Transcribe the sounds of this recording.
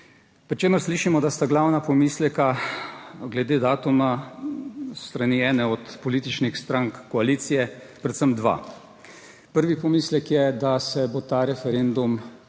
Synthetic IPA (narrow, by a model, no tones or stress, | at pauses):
pɾit͡ʃeːməɾsliːʃimɔd̪ast̪aɡlawnapɔmiːslɛka | ɡlɛd̪eːd̪aːt̪uma | st̪ɾaniːɛːnɛɔt̪pɔliːt̪it͡ʃnixst̪ɾaŋkːɔaliːt̪sijɛ | pɾɛt̪səmd̪ʋa̰ː | pəɾʋipɔmiːslɛkjɛd̪asɛbot̪aɾɛfɛɾend̪um